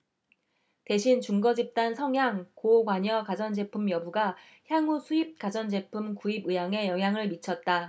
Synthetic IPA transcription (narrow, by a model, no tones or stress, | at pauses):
te̞ɕʰint͡ɕuŋɡʌd͡ʑip̚t͈ansʰʌŋɦjaŋkoɡwaɲʌkad͡ʑʌnd͡ʑe̞pʰumjʌbuɡa | çjaŋusʰuip̚k͈ad͡ʑʌnd͡ʑe̞pʰumkuibɯjaŋe̞jʌŋɦjaŋɯɭmit͡ɕʰʌt̚t͈a